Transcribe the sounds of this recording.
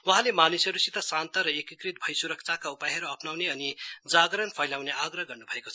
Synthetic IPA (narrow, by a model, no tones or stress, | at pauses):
wʌɦãlemanisʌɾusit̪ʌsãnt̪ʌɾʌekikrit̪̚bʱʌjsuɾʌk̚t͡sʰakaupajɦʌɾuʌpnawneʌnid͡zaɡɾʌnpʰʌjlawneaɡrʌɦɡʌrnubʱʌekot͡sʰʌ